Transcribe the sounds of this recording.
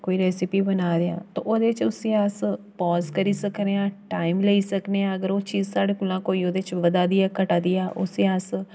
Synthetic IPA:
koːiːɾɛːsɪpiːbənaːɾeã̰ːt̪o̰ːʔoːd̪eːɪt͡ʃʊsiaːspɔːzkəɾiːsəkɾeãːʈaːɪmleiːsəkneaəɡəɾoːt͡ʃiːzsaːɽeːkʊlãːkoːiːoːd̪et͡ʃʋəd̪aːd̪ɪjaːkəʈaːd̪ɪjaːʔʊ̰siaːs

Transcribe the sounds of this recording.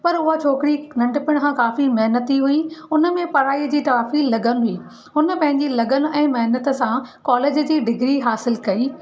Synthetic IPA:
pɐɾʊɦat͡ɕʰoːkɪɾinɐ̃ɳɖpɪɽ̃kʰãkaːfimɐɦnət̪iɦuiʊnə̆mẽpɐɾaːid͡ʑiːt̪aːfilɐɡənɦʊiː | ʊnə̆pɐ̃ɦɪ̃ɲd͡ʑilɐɡənɛ̃ːmɐɦnət̪ə̆sãkɔːleːd͡ʑd͡ʑiːɖɪɡɾiɦaːsɪlkɐiː

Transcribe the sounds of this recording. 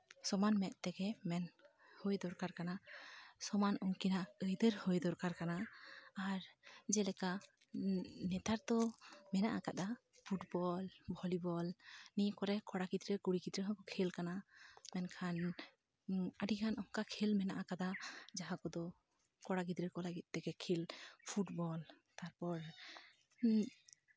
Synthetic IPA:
sɔmanmɛʔ̪̚t̪ɛɡɛmɛn | hɔjd̪ɔɾkaɾkanasɔmanɔŋkinaəjd̪əɾhɔjd̪ɔɾkaɾkanaː | ɾd͡ʒɛlɛka | nɛt̪aɾd̪ɔmɛnaʔakad̪a | pʰuʈbɔlbʱɔlibɔlnikɔɾɛkɔɽaɡid̪ɾəkuɽiɡid̪ɾəɦɔkɔkʰelkanamɛnkʰan | aɖikʰanɔŋkakʰilmɛnaʔakad̪ad͡ʒaɦãkɔd̪ɔ | kɔɽakid̪ɾəkɔlaɡit̪̚ˀːɛkɛkʰilpʰuʈbɔl | t̪aɾpɔɾ

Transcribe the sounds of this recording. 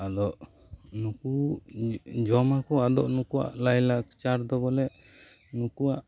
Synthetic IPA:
ad̪ɔʔ | nuku | d͡ʒɔmakɔad̪ɔ̰ʔnukuwa̰ʔlajlakt͡ʃaɾd̪ɔbɔlɛ | nukuaʔ

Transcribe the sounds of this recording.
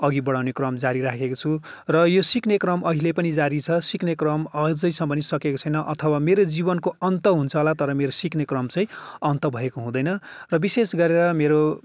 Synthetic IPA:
ʌɡibʌɽawnekrʌmd͡zaɾiɾakʰekot͡sʰu | rʌjosiknekrʌmʔʌɦilepʌnid͡zaɾit͡sʰʌsiknekrʌmʌd͡zʌjsʰʌ̃pʌnisʌkekot͡sʰʌjnʌʔʌt̪ʰʌwameɾod͡zibʌnkoʌnt̪ʌɦunt͡sʰʌɦolat̪ʌɾʌmeɾosiknekrʌmt͡sʌĩʌnt̪ʌbʱʌekoɦũd̪ʌjnʌrʌbisesɡʌɾeɾʌmeɾo

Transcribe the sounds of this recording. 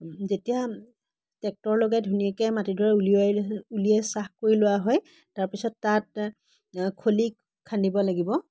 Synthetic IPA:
zetija | tɛk̚tɔɹlɔɡɛdʱuniɛkɛmatidʱɔɹɛuliuliɛsaxkoɹilʊwaɦɔj | taɹpisɔtːat | kʰolik | kʰːandibɔlaɡibɔ

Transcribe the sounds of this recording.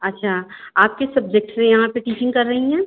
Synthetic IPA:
ɐtːʃʰaː | aːp̚kesɐb̚d͡ʒek̚ʈsejɐɦãpeʈiːt͡ʃɪ̃ŋɡkɐɾːɐɦiɦɛ̃ː

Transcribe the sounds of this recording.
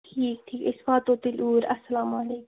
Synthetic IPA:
ʈʰiːk̚ʈʰiːkɪsfaːt̪oːt̪ɪlʔuːɾɐsːɐlaːmɐleːk

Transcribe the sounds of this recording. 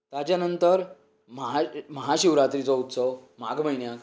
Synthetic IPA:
t̪jat͡ɕjanənt̪əɾ | məɦaməɦaɕiʋɾat̪ɾit͡sɔut̪səʋmaɡm̤əjnjak

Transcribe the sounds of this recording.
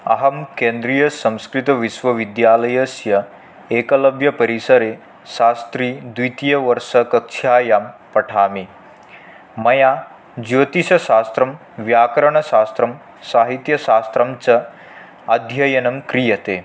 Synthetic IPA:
ɐɦɐmkend̪ɾijɐsɐ̃w̃skɾit̪ɐʋiʃʋɐʋid̪jalɐjɐsjɐ | ekɐlɐbjɐpɐɾisɐɾe | ʃast̪ɾiːd̪it̪ijɐʋɐɾʂɐkɐkʃʰjaːjampɐʈʰaːmi | mɐja | d͡ʑot̪iɕɐʃast̪ɾɐm | ʋjaːkɾɐɳɐsaːst̪ɾɐm | saːɦit̪jɐɕaːst̪ɾɐmt͡sɐ | ɐd̪ʱjɐjɐnɐmkɾijɐt̪e

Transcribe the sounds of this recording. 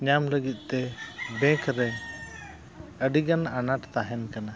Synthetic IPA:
ɲamləɡit̪̚ˀt̪ɛbɛ̃kʰɾɛ | əɖiɡananaʈt̪aɦɛnkana

